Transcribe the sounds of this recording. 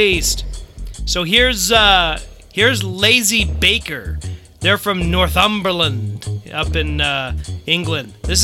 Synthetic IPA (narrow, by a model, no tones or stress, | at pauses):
istsoʊɦiɹz | hiɹzleɪzibeɪkə˞ | ðə˞fɹʌ̃mnɔɹθʌ̃mbə˞lə̃nd̥ʌpɨ̃n | ɪ̃ŋɡlɨ̃nðɪs